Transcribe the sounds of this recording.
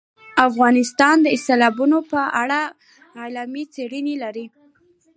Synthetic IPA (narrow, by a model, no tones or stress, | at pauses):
afɣɑnɪst̪ɑnd̪əɪst̪elɑbunopəaɽa | alamit͡seɽənilaɾi